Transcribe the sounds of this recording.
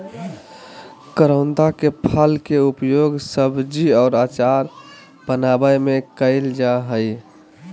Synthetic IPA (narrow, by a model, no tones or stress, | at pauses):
kəɾəʊ̃nd̪akepʰəlkeupjoːɡsəbd͡ʒiɔːɾat͡ʃaɾ | bənabəjmẽkəɪld͡ʒaɦəɪ